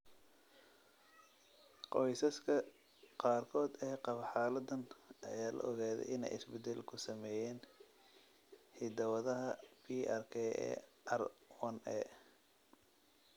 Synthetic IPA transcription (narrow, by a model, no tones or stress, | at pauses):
qɔjsɐskʰɐ | qɑːrkʰɔːd̪ɛːqɑβɐħɑːlɐd̪ɐnʔɐjaːlɐ̰ʔɔɣaːðɛ̰jʔɪnɛ̰jɪ̰sbɛd̪ɛlkʰʊsɐmɛːjɛːn | hɪd̪ɐwɐðɐɦɐpʰiɐrkʰɛɛ̰ʔɐrwɐnɛ̰